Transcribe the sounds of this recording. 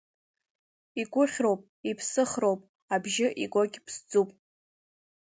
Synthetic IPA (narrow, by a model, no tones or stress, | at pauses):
iɡʷʼʊχʲrowpʼ | ipʰsɨχro̞wpʼ | abʒɪʔiɡʷoɡʲpʰsd͡zupʼ